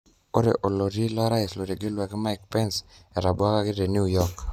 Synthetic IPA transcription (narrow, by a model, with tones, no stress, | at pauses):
o˦ɾḛ˨ʔo˨lo˨ɾi˦lɔ˦ɾa˦ɪ˨slo˨ɾi˨ɡɪ˦lwa˨kɪ˦ma˦ɪk̚pɛ˦nsɛ˨ɾa˨bʊ˦a˦ka˦kɪ˦de˨nju˦jɔ˦k